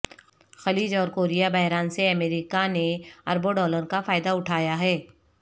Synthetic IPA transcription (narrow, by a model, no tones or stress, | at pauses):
xɐliːd͡ʒɔːɾkoːɾijabɐɦɾaːnseɐmeːɾikaneɐɾboɖɔːləɾkafaːɪd̪aʊʈʰaːjaɦɛː